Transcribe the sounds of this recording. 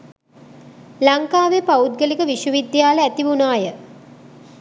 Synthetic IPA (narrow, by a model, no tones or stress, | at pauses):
laŋkaːʋepaud̪̚ɡəlikəʋiʃuʋid̪jaːləæt̪iʋunaːjə